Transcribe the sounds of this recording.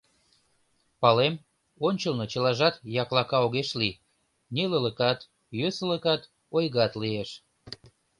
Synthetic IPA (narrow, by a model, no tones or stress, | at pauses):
pɑlem | onʲt͡ɕəlnot͡ɕə̆lɑʒɑt̪jɑklɑkɑoɣeʃli | nʲilələkɑt̪ | jøsələkɑt̪ | ojɣɑt̪lieʃ